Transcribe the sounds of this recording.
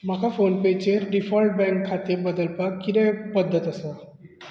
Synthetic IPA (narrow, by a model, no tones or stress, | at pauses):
makafonpet͡ɕeɾɖifɔlʈ̚bɛ̃ŋkʰːat̪iɾbəd̪əlpakkːid̪ẽpəd̪ʱːət̪əsa